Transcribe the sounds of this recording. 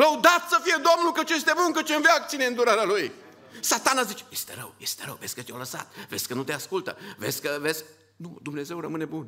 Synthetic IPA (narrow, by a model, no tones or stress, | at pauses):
ləud̪at̪səfije̞d̪o̞mnulkət͡ʃees̬t̪emunkət͡ʃeɨnveakt̪ineɨnd̪uɾaɾealuj | sat̪anazit͡ʃe̥jest̪e̞̰ɾə̰wjest̪eɾəwvesʲkət̪jowləsa̰t̪vezʲkənut̪e̞askult̪ə̰vezʲkəvezʲk | nud̪umne̞ze̞wrəmɨne̞bun